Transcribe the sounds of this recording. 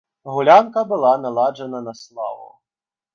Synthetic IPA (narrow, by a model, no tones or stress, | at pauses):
ɣulʲankɐbɨlˠanalˠad͡ʐɐnɐnɐslˠa̰vṵ